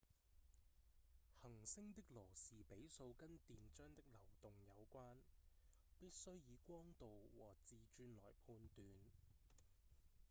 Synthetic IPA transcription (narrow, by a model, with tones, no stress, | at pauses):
hɐ˨˩ŋsɪ˥ŋt̪ɪ˥k̚lɔː˨˩siː˨˩pe˨˥jso˧wkɐ˥nt̪iː˨nt͡ʃœː˥ŋt̪ɪ˥k̚lɐ˨˩wt̪ʊ˨ŋjɐ˨˧wkʷaː˥n | piː˥t̚sɵ˥ɥjiː˨˧kʷɔː˥ŋt̪o˨wwɔ̰ː˨˩t͡siː˨˩t͡ʃyː˧nlɔ̰ː˨˩jpʰuː˧nt̪yː˨n